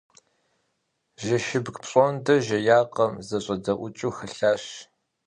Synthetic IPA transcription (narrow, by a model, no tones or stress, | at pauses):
ʒɐʃɪbɡpɕʼɔndɐʒɐjaːqɐmzɐɕʼɐdɐʔʷʊt͡ʃʼuːxɐɬaːɕ